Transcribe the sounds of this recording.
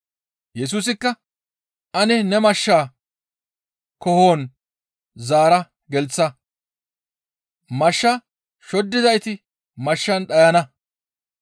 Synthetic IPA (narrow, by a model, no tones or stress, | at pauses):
jɛs̬uːs̬ɪkːɐ | ʔɐnɛnɛmɐʃːaː | kɔhoːn | zaːɾɐ | ɡɛlt͡sːɐ | mɐʃːɐ | ʃɔd̪ːɪzɐjt̪ɪ | mɐʃːɐnɗɐjɐnɐ